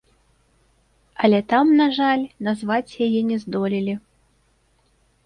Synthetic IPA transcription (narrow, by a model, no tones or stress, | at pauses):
ɐlʲɛt̪amnaʐalʲnazvat͡sʲjajɛnʲɛzd̪ɔlʲilʲi